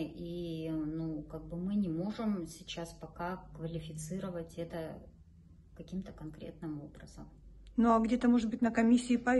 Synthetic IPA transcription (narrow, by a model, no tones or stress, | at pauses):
inukaɡ̚bɨmɨnʲɪmo̞ʐɨmsʲɪt͡ɕaspɐkakvəlʲɪfʲɪt̪sɨɾəvətʲɛt̪ə | kɐkʲimt̪əkɐnkɾʲḛt̪nɨmo̞bɾəz̥əmnuɐɡdʲet̪əmo̞ʐɨd̪̚bɨtʲnəkɐmʲisʲːɪːpɐ